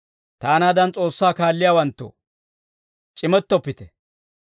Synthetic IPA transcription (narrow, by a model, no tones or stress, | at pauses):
t̪aːnaːd̪ɐnt͡sʼo̞ːsːaːkaːlːɪjaːwɐnt̪ːɔ̰ | t͡ʃʼɪmɛt̪ːɔpːɪt̪ɛ